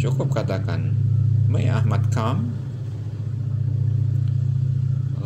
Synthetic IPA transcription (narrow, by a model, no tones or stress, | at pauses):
t͡ʃukʊp̚kat̪akanməjʔa̰hmat̪̚kʰam